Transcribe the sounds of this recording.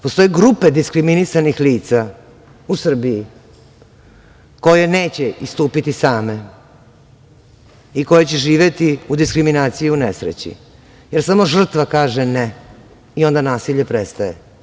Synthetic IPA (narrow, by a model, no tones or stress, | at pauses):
po̞st̪o̞jeɡɾupe̞d̪iskɾiminisanixliːt̪sa | usr̩biji | ko̞je̞neːt͡ɕeist̪uːpit̪isaːme̞ | iko̞jet͡ɕeʒiːʋjet̪iud̪iskɾiminaːt̪sijiunesɾḛt͡ɕḭ | jeɾsamo̞ʒr̩t̪ʋakaːʒene | io̞nd̪anaːsiʎepɾest̪aje